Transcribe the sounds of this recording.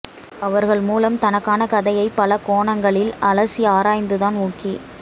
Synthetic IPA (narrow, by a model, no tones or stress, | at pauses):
ɐʋɐɾɣɐɭmuːlɐmt̪ɐnɐkːaːnɐkɐðɐjɐɪpːɐlɐkoːɳɐŋɡɐɭɪlɐlɐsiaːɾaːjnd̪ɯðaːnuːkːi